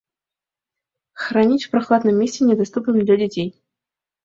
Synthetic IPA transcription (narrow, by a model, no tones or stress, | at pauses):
xranʲit͡sʲpɾaxlˠad̪nɨmʲːesʲɪnʲɛd̪ast̪upnɨmd̪lʲadʲɪtʲej